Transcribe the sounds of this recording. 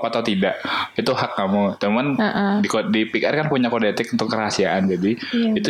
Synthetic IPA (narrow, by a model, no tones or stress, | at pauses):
pat̪awt̪idaʔit̪uhakːamut̪əmmanʔdikodipikarkanpuɲakodet̪ɪkunt̪ʊkːəɾasiaʔand͡ʒadiit̪